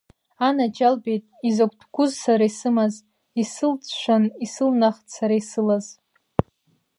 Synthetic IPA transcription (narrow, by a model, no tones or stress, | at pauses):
anad͡ʒalbe̞jtʼizakʷʰʼtʰɡʷʊzsaɾaisɨmaz | isɨlt͡sʰʃʷᶣanisɨlnaχtsaɾaisɨlaz